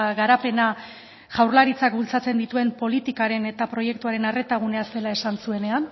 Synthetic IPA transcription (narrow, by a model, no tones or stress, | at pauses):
ɣaɾape̞na | ʝ̥awrlaɾit͡sak̚bult͡sat͡se̞nd̪it̪ue̞mpo̞lit̪ikaɾe̞ne̞t̪apɾo̞je̞k̚t̪uaɾe̞nare̞t̪aɣ̞une̞ase̞lae̞sansue̞ne̞an